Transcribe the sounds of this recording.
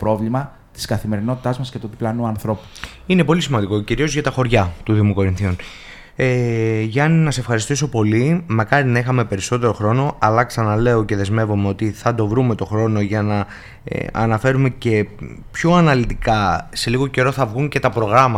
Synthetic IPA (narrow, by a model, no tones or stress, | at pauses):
pɾo̞vlimɐ | t̪i̥skɐθime̞ɾino̞t̪i̥t̪ɐzmɐscet̪ut̪iplɐnuɐnθɾo̞pu̥ | ine̞po̞lisimɐnd̪iko̞ciɾio̞zʝɐt̪ɐxo̞ɾʝɐt̪uðiomoko̞ɾinθion | eʝɐninɐsee̞fxɐɾist̪is̬o̞po̞limɐkɐɾinɐixɐme̞pe̞ɾiso̞t̪e̞ɾo̞xɾo̞no̞ɐlɐksɐnɐle̞oce̞ðe̞zme̞vome̞o̞t̪iθɐd̪o̞vɾume̞t̪o̞xɾo̞no̞ʝɐnɐ̰ | ɐ̰nɐfe̞ɾume̞ce̞pço̞ɐnɐlit̪ikɐse̞liɣo̞ce̞ɾo̞θɐvɣuɲce̞t̪ɐpɾo̞ɣɾɐmɐ